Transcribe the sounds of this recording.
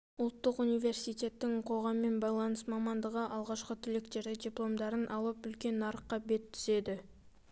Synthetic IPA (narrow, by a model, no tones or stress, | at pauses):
ʊlˠt̪ːəqunijve̞rsijt̪ʲe̞t̪ːɪŋqʰo̞ʁɑmːe̞nbɑjlˠɑnəsmɑmɑnd̪əʁəʔɑlˠʁɑʃqət̪ʰʏlekt̪e̞ɾd̪edʲijplˠo̞md̪ɑɾənʔɑlˠəpʏlkʲe̞nːɑɾəqːɑbe̞t̪ʰːʏ̥ze̞d̪ɪ